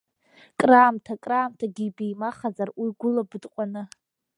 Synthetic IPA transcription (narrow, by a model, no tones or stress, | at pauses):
kʼraːmtʰakʼraːmtʰaɡʲibijmaχazarwiɡʷʊlabɨdqʷʼanɨ